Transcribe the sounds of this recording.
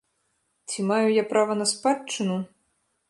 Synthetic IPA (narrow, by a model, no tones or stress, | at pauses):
t͡sʲimajujapɾʔavɐnɐspat͡ʂːɨnu